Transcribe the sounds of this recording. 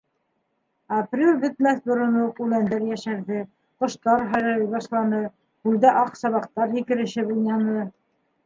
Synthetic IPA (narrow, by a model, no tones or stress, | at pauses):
aprʲelʲbɘ̆t̪̚mæθbŏɾŏnoqʉlænd̪æɾjæʃæɾðɘ | qŏʃt̪ɑɾɦæjɾæɾɘjβɑʃlˠɑnɤ | hʉld̪æʔɑqsɑβɑq̚t̪ɑɾhikɘ̆ɾɘ̆ʃɘbujnɑnɤ